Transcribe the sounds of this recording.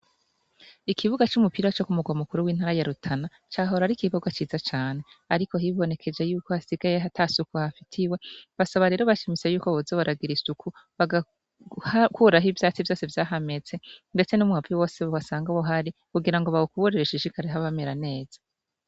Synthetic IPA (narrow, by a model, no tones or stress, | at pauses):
ikʰiβuɡat͡ʃumupiːɾat͡ʃo̞kumuɡwamukuɾuwiːn̥haːɾajaɾutʰana | t͡ʃaːɦo̞ɾaɾikiβoɡwat͡ʃiːzat͡ʃaːne̞aɾiko̞ɦiβo̞ne̞kʰe̞d͡ʒe̞juːko̞hasiɡaje̞ɦatʰasukuhafitʰiwe̞βasaβaɾe̞ːɾo̞βat͡ʃimisejuːko̞βozoβaɾʔaɡiɾisukuβaɡa | hkuɾaɦivjaːt͡sivjo̞ːsevjaːɦame̞t͡se̞nde̞t͡se̞numuaviwo̞ːseβoβasaːŋɡaβoɦaɾikuɡiɾaŋɡoβaβokuβoɾeɾeʃiʃikaɾeɦaβameɾane̞ːz̥a